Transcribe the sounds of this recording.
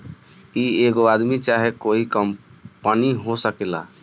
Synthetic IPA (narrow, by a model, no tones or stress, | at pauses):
ieɡoad̪mit͡ʃaɦekoikəmpəniɦosəkela̰